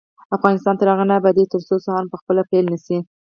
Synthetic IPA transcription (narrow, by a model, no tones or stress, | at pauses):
afɣɑnɪst̪ɑnt̪aɾaɣanabad̪et̪əɾsosahɑnpəxpəlapejlnisi